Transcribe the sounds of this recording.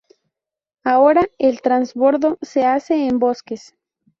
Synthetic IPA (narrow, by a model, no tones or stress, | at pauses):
aoɾaelt̪ɾanzβo̞ɾðoseaseːmbo̞skes